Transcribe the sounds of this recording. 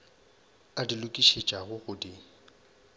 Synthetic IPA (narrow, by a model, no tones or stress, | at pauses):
adilʊkʼiʃet͡ʃʼaɣʊɣʊdi